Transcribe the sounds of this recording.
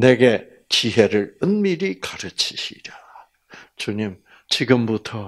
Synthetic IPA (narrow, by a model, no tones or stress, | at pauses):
ne̞ɡe̞ | t͡ɕiɦe̞ɾɯɾɯnmiɾikaɾɯt͡ɕʰiɕʰḭɾa | t͡ɕuɲim | t͡ɕiɡɯmbutʰʌ